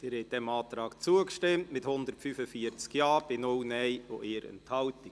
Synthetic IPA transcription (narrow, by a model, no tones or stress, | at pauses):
d̥ɪɾhɛt̚d̥ɛmɑːt̪ɾɑːkt͡suəkʃtɪmtmɪthʊnd̪əɾtfyfəfiət͡skjɑːb̥ɪnʊlnɛjoʔɪːɾə̰nthɑlti